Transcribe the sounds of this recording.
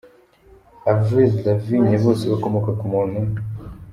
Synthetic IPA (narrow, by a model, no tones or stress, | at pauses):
avizlaviɲeβo̞ːseβakomokakumunu